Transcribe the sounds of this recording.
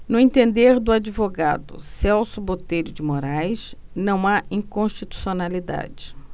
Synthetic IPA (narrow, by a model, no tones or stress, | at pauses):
nʊẽt̪ẽnd̪eɾd̪ʊad͡ʒivoɡa̰d̪ʊ̰sɛwsʊbot̪ejɾʊd͡ʒɪmoɾajsnɐ̃w̃aĩkõʃt͡ʃit̪u̥sionalid̪a̰d͡ʒɪ